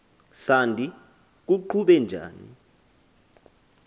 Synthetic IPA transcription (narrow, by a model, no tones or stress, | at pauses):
sandʱʼi | k̬uǃʰuɓɛnd͡ʒʱa̰ːnḭ